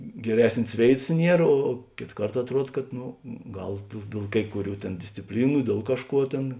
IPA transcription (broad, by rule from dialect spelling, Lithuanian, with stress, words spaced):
ɡʲɛˈrʲæːsʲnʲeːs ˈʋʲeːɪtɐs ˈnʲiɛr oː ˈkʲeːt ˈkɐrt ɐtˈruɔt kɐt ˈnʊ ˈɡɐlˠ dʲeːlˠ dʲeːlˠ ˈkɐɪ kʊˌrʲuː ˈtʲeːn dʲɪsʲt͡sʲɪpʲˈlʲiːnʊ ˈdʲiɛlˠ kɐʃˌkuɔ ˈtʲeːn